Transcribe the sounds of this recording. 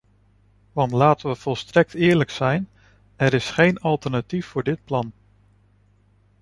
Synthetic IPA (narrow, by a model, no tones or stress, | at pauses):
ʋɑntlaːtəʋəv̥ɔlˠstrɛk̚tɪːɹləksɛjn | ɛɾɪsχejnɑlˠtəɹnatifːʊːɹdɪt̚plɑn